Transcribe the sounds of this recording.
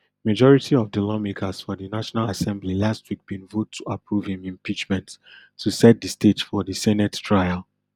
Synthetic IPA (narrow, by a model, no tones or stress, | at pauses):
mad͡ʒɔɹitʰiɔvdəlɔmekʰasfɔðənaʃɔnalasɛ̃mblilastwik̚b̥ĩnvotʰːuapʰɹuvhĩmĩmpit͡ʃmɛ̃ntʰː | usɛt̚dəstetfɔðəsɛnɛttʰɹaɪalˠ